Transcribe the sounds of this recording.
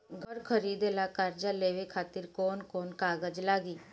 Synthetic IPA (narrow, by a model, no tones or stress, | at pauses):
ɡʱəɾkʰəɾiːd̪elaːkəɾd͡ʒaleːʋeːkʰaːt̪ɪɾkoːnkoːnkaːɡəd͡ʒlaːɡiː